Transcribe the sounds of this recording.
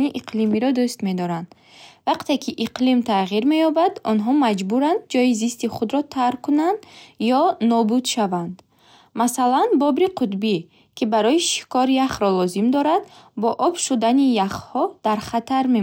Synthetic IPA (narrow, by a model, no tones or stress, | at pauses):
niʔiqʰlimiɾɔd̪ust̪me̞d̪ɔɾand̪ | vaqt̪e̞kʰiʔiqlimt̪ʰaʁiɾme̞jɔbad̪ɔnɦɔmad͡ʒbuɾand̪̚d͡ʒɔjizist̪iχud̪ɾɔt̪ʰaɾkunand̪jɔnɔbud̪ʃavand̪ | masalanbɔbɾiqʰut̪bi | kʰibaɾɔjiʃi̥kɔɾjaχɾɔlɔzimd̪ɔɾad̪bɔʔɔbʃud̪anijaχhɔd̪̥aɾχat̪ʰaɾme